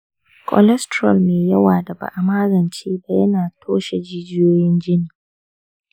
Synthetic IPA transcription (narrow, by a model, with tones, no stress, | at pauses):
kʷʰʼɔ̰˨lɛ˦stɾɔ˨lmeː˨jɐ˦waː˨da˨ba̰˨ʔa˨maː˦zɐ˨nt͡ʃeː˦ba˨jɐ˦naː˨tʰoː˦ʃe˨d͡ʒiː˦d͡ʒɪ˦joː˦jɪ˦nd͡ʒɪ˦niː˨